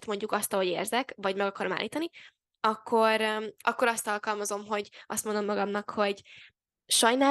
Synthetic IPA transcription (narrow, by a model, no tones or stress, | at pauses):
t̪mo̞ɲɟukɒst̪ɒɦo̞ɟḛːrzɛkvɒɟmɛɡɒkɒɾoma̰ːlʔiːt̪ɒni | ɒkʰːo̞ɾʔɒkːo̞ɾɒst̪ɒlkɒlmɒzo̞mɦo̞ɟɒ̰st̪mond̪o̞mːɒɡɒmnɒkho̞ɟ | ʃɒjnaː